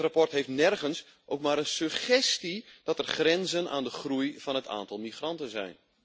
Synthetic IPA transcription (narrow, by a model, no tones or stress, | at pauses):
rapɔrtɦeftnɛrɣəns | ʔowkmaːɾənsəxɛstid̥ɔtərxrɛnzəna̰ːndəχrujvɔnɦətʰa̰ːntɔlˠmixrɑntənzɛ̰jn